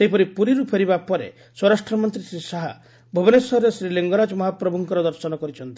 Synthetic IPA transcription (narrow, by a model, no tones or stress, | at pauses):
seɦipɔɾipuɾiɾupʰeɾibapɔɾḛ | swɔɾasʈɾɔmɔnt̪ɾisɾisaɦa | bʱubɔnesɔɦɾesɾileŋɡɔɾad͡ʒɔmɔɦapɾɔbuŋkɔɾɔd̪ɔɾsɔnɔkɔɾit͡ʃʰɔnt̪i